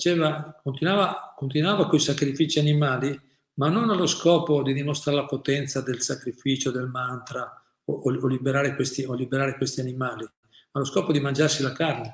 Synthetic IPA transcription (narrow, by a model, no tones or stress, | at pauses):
t͡ʃɛːvakont̪inwaːvakont̪inwaːvakojsakɾifiːt͡ʃianimaːli | manːonaloskɔːpod̪id̪imost̪ɾaɾelapot̪ɛnt̪sad̪elsakɾifiːt͡ʃod̪elmant̪ɾa | ooolibeɾaːɾekwest̪iolibeɾaːɾekwest̪ianimaːli | maloskɔːpod̪imand͡ʒarsilakarne